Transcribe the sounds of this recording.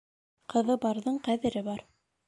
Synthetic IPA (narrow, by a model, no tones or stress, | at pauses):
qɤ̆ðɤbɑɾðɤɴqæðɘ̆ɾɘbɑɾ